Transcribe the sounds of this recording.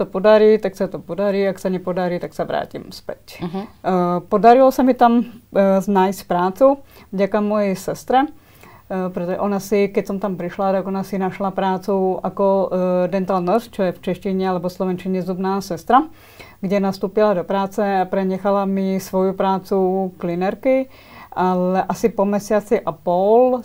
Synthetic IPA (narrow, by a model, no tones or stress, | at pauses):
t̪opod̪aɾiːt̪aksat̪opod̪aɾiːaksaɲɛpod̪aɾiːt̪aksaʋɾa̰ːcḭmspɛ̰c | pod̪aɾilɔsamit̪amznaːjscpɾaːt͡suvɟakamːɔjɛsɛst̪ɾɛ | pɾɛt̪ɔʒɛ̰ʔonasikɛcsɔmt̪ampɾiʃlat̪aɡɔnasinaʃlapɾaːt͡suakɔd̪ɛnt̪alnɔst͡ʃɔjɛft͡ʃɛʃciɲɛalɛbɔslɔʋɛnt͡ʃiɲɛzubnaːsɛst̪ɾa | ɡɟɛnast̪uːpilad̪ɔpɾaːt͡sɛapɾɛɲɛxalamisʋɔjupɾaːt͡suklinɛɾki | ʔalɛʔasipɔmɛsɪat͡siʔapɔl